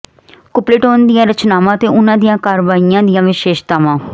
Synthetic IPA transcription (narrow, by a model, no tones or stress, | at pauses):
kʊplɪʈoːnd̪ɪjãːɾət͡ʃnaːʋãːt̪eːʔʊnãːd̪ijãːkaːɾʋaːijãːd̪ɪjãːʋɪʃeːʃt̪aːʋãː